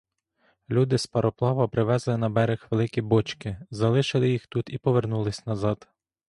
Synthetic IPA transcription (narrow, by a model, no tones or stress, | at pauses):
lʲud̪ɪspɐɾɔplˠɑʋɐpɾɪʋɛzlˠɪnɐbɛɾexʋelˠɪkʲibɔt͡ʃkɪzɐlˠɪʃɪlˠɪjixt̪ut̪ipɔʋernulˠɪsʲnɐzɑd̪̥